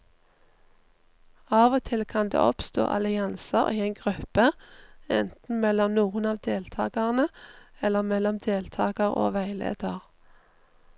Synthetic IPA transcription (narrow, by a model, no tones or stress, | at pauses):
ɑːʋoːt̪ʰɪlkʰɑnd̪ḛːʔɔpst̪o̰ːʔɑ̰lɪɑnsəʁiːeɪnɡʁʉpəɛnt̪n̩mɛlɔmnuːənɑːʋd̪eːlt̪ʰɑ̰ːɡɑʁnəɛlːəʁmɛlɔmd̪eːlt̪ʰɑːɡəʁo̰ːʋæɪlḛːd̪̥əʁ